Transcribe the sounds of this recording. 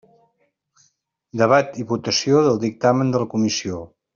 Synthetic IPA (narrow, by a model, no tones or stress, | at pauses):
d̪əβat̪iβut̪əsioðəlˠd̪ik̚t̪amənd̪ələkumisio